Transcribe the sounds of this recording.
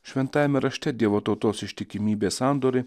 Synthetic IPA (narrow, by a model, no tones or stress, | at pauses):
ʃʲʋʲɛnt̪ɑːjmʲɛɾɐʃʲt̪ʲɛd̪ʲiɛʋot̪oːt̪oːsɪʃʲt̪ʲɪkʲɪmʲiːbʲeːsɑːˑnd̪oːɾʲɪ